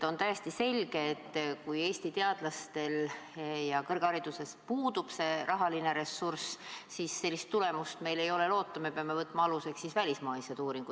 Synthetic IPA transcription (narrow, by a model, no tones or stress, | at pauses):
t̪o̞nt̪æjest̪ise̞lʲɡ̥e̞ːt̪ːkuje̞ːst̪it̪eɑd̪̥lɑst̪e̞ljɑkɤrɡ̥ɑɾid̪̥use̞spuːd̪̥ub̥se̞ɾʔɑɦɑline̞ɾe̞sːurssisːe̞lːist̪ːule̞must̪me̞jle̞jo̞le̞lo̞ːt̪ːˑɑme̞peɑme̞vɤt̪ːˑmɑɑluse̞ksːisvælʲismɑjsed̪̥uːɾiŋɡu̥